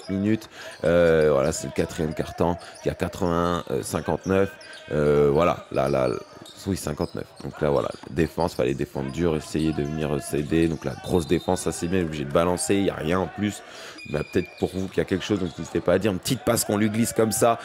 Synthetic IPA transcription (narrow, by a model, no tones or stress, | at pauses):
minyt̪øvwa̰lasɛləkat̪χijɛmkaʁt̪ɑ̃iljakat̪χəvɛ̃ø̰sɛ̃kɑ̃t̪nœføvwala̰lʔa̰la̰sisɛ̃kɑ̃t̪nœ̰fd̪̥ɔ̃klavwa̰la̰d̪efɑ̰̃spa̰led̪efɑ̃d̪ʁd̪yʁesejed̪əvəniʁsed̪ed̪ɔ̃kla̰ɡʁosd̪efɑ̃sːasɛbjɛ̃ɛubliʒed̪əbalɑ̃selja̰ʁjɛ̃plys | bapə̥t̪ɛt̪χəpuʁvukʲiljakʲɛlkə̥ʃozd̪ɔ̃kvizit̪ɛpaːd̪iʁpt̪it̪̚paskɔ̃lɥiɡliskɔmsa